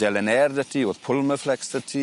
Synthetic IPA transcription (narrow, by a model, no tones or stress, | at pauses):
d̥ɛlənɛːrdətʰioðpʰʊlməflɛksd̥ətʰi